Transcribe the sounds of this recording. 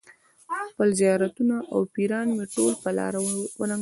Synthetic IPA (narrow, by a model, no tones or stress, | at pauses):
xpəlzijɑɾat̪unaʔawpiɾɑnmeʈolpəlɑ̰ɾawəna